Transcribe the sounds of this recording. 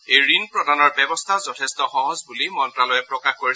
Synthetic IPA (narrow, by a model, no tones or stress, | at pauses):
ejɹinpɹɔdʱanɔɹbɛbɔstʰazɔtʰɛstɔxɔɦɔzbulimɔntɹalɔjɛpɹɔkaxkoɹi